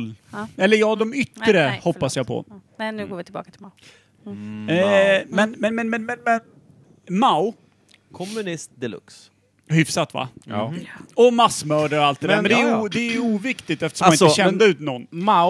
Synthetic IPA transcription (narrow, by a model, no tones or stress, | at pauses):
ɛlːəjɑːɡd̪ɔmʏt̪ɾəhɔpːasjapʰɔ̰nnʉ̟ːɡoːɾvɪt̪ʰɪlbɑ̰ːkat̪ʰɪa | mɛnmɛnmɛnmɛnmɛnmɛn | maʊ | kʰɔmːɵnɪst̪̚d̪ɛlɵ̰ks | hʏfsat̪va̰ | ɔmasːmœːɖəɾɔalt̪d̪ɛd̪æɾmɛnd̪ɛæuːd̪ɛːjuːvɪkt̪ɪt̪ɛft̪əʂɔmaɪəʃɛnd̪əʉ̟ːt̪nɔnːma